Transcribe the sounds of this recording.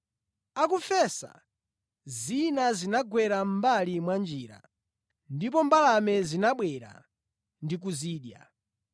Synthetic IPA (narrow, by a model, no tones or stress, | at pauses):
akufɛsa̰ | zinazinaɡwɛɾam̩balimwand͡ʒiːɾa̰ | ndipɔmbalamɛzinaɓwɛɾa̰ | ndik̬uziːɗja̰